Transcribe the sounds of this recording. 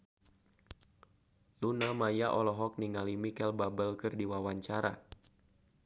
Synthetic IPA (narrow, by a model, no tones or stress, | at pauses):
lunamajaʔɔlɔɦɔk̚niŋalimikɛlbabəlkɨrdiwawaɲt͡ʃaɾa̰